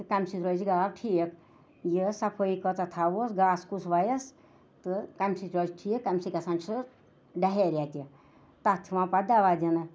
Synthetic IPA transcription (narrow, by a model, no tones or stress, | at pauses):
t̪ɨkɐmʲsit̪ɾod͡ʒiɡaːɾʈʰiːk | jisɐpʰoikət͡sat̪ʰaʋosɡaːskusʋajɐs | t̪ɨkɐmsit̪ɾod͡ʒʈʰiːkːɐmsikɐsɐ̃nt͡ʃʰɨ | ɖɐɦeɾʲat̪ʲi | t̪ɐt̪ʰiʋãːpad̪aʋaːd̪ʲɐnɨ